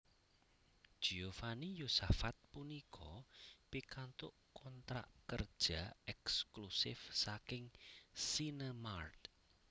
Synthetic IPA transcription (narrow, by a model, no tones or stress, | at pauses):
d̥ʒ̥iofanijusafat̪̚punikʰɔpikant̪ʊʔkɔnt̪ɾa̰ʔkər̥ʒ̥aɛksklusɪ̰fsakɪŋsinəmart̪